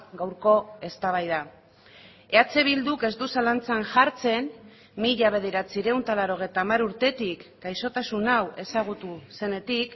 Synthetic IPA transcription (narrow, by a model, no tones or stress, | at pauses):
ɡawɾko̞e̞st̪aβ̞ajð̞a | e̞at͡se̞β̞ild̪uke̞zd̪usalant͡sanʝaɾt͡se̞n | miʎaβ̞e̞ð̞eɾat͡siɾe̞unt̪alaɾo̞ɣ̞e̞jt̪aːmaɾuɾt̪e̞t̪ikːajso̞t̪asunawe̞saɣ̞ut̪use̞ne̞t̪ik